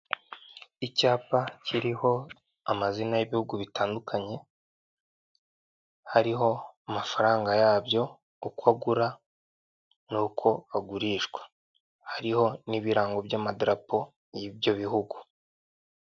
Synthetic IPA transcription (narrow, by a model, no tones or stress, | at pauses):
icaːpacʰiɾiho̞ | amazinajiβihuɡuβitaːndukʰaɲe̞ | haɾiɦo̞amafaɾaːŋɡajaːbjo̞ | ukwaɡuɾa | nuːkʰo̞aɡuɾiːʃɡwḁ | haɾiho̞niβiɾaːŋɡo̞bjamadɾapo̞ | jibjo̞βiɦuɡu̥